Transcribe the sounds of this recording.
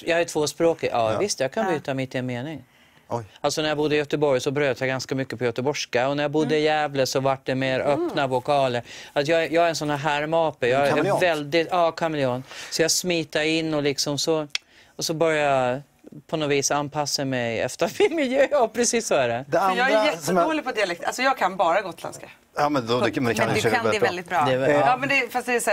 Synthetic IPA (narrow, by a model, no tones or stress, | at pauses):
jɑːhaʈʰvoːspɾoːkɪʔɑːvɪst̪jɑːkʰanbyːt̪amɪt̪ːɪɛnmeːnɪŋ | alt̪sɔnæɾjabʊd̪ːəɪjœt̪əbɔɾjsɔbɾøːt̪ʰjaɡanskamʏkːəpʰɔjœt̪əbɔʂkaɔnæɾjabʊd̪ːəɪjɛːvləsɔvaʈ̚ːɖɛmeːɾœːpnavʊkʰɑːləɾat̪jɑːɡjɑːɡæɾɛnsɔnhæːɾɦæɾmɑːpəjɑːvɛld̪ɪt̪ɑːkʰamɛlɪoːnsɔjɑːsmiːt̪aɾɪnːɔlɪksɔmsɔ | ɔsɔbœɾjaja | pʰɔnɔviːsanːpʰasːamɛjɛ̰ft̪əɾmɪnmɪljøːpʰɾɛsiːsːɔæɖɛdd̪ɛanjɑːɡɛsɔolɪpʰɔd̪ɪalɛkt̪ʔa̰lsɔjɑːɡkʰanbɑːɾaɡoːt̪ʰɪla̰nska | ɑmɛnɛmɛnd̪ɛaøkɛɛld̪ɪt̪̚bɾd̪ɛɑmɛnd̪ɛfast̪d̪ɛsæː